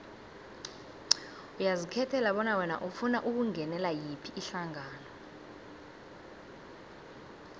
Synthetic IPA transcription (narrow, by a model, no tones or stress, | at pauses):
ujazikʰɛtʰɛlaɓɔnawɛna̰ʔufunaʔuk̬uŋʱɛnɛlajipʰiːɬaŋaːnɔ